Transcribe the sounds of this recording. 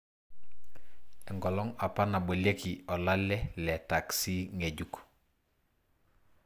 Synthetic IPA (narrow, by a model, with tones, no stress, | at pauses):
ɛ˨ŋɡɔ˨lɔ˦ŋa˨pa˦na˨bo˨le˦ki˨ɔ˨la˦lɛ˦lɛ˨ta˨ksi˦ŋe˨ɟuk